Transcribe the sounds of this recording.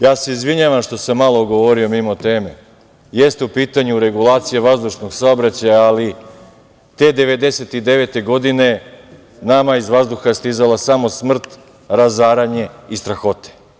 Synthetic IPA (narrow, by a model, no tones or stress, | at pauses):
jaːseizʋiɲaʋamʃt̪o̞samːalˠo̞ɡoʋo̞ɾio̞mimo̞t̪eːme̞̰ | je̞st̪e̞upiːt̪aɲuɾe̞ɡulˠaːt̪sijeʋazd̪uʃnoɡsaobɾat͡ɕajaːli | t̪e̞ːd̪e̞ʋe̞d̪e̞se̞t̪id̪e̞ʋe̞t̪e̞ɡo̞d̪ine̞ | namaizʋazd̪uxast̪izalasamo̞smr̩t̪ | ɾazaːɾaɲe̞ist̪ɾaxo̞t̪e̥